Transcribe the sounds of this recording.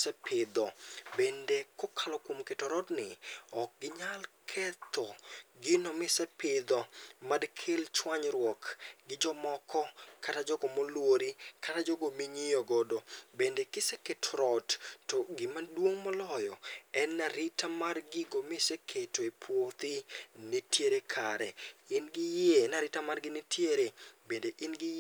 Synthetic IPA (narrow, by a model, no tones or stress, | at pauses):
sɛpʰɪd̪ɔbendekɔkʰalɔkwomketɔɾɔdnɪɔk̚ɡɪɲalkʰɛt̪ɔɡɪnɔmɪsɛpɪd̪ɔmadkʰelt͡ʃwaɲɾwɔkɡɪd͡ʒɔmɔkʰɔkatad͡ʒɔɡɔmolwoɾikatad͡ʒɔɡomiɲijoɡodobendekɪseketʰɾɔttɔɡɪmadwoŋmɔlɔjɔɛnːaɾɪtamarɡɪɡomɪsekʰetoepʰwot̪ɪnetjeɾekʰaɾɛɪnɡɪjenaɾɪtamarɡɪnɪtjeɾebendeʔɪnɡɪ